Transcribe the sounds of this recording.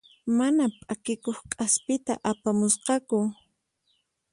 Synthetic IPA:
manapʼakɪkoχkʼaspɪt̪a̰ʔapamʊsqɑkʊ

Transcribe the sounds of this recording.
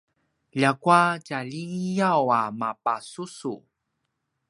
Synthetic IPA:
ʎakwacaʎijawamapasusu

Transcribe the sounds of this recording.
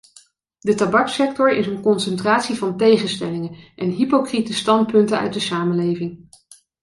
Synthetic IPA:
dətabɑksɛktɔɹɪsənkɔnsɛntraːtsivɑntejχənstɛlɪŋənʔɛnɦipokritəstɑnt̚pɵntənœ̰ɥt̚dəsaːmənlejvɪŋ

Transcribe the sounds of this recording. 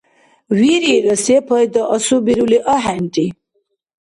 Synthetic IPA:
wiɾiɾəsepəjd̪əʔəsubiɾuliʔəɦænʈi

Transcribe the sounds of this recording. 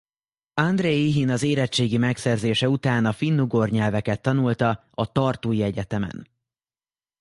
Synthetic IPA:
ɒnd̪reːiɦinɒzeːɾɛt͡ʃːeːɡimɛksɛrzeːʃɛut̪aːnɒfinːuɡorɲɛlvɛkɛt̪ːɒnult̪ɒ | ɒt̪ɒrt̪oːjiɛɟɛt̪ɛmɛ̰n

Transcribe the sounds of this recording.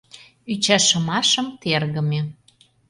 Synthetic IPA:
yt͡ɕæʃə̆mɑʃɤ̆mt̪erɣə̆me

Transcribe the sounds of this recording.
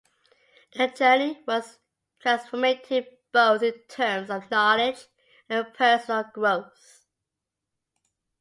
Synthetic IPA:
ʔəd͡ʒɜniwʌz̥ | tʰɹ̥æ̃nsfəmeɪtʰɪb̥oʊθɪ̃ntʰɜ˞mzəvnɔlɪd͡ʒ | ə̃npʰɜˑ˞sənəlˠɡɹoʊθ

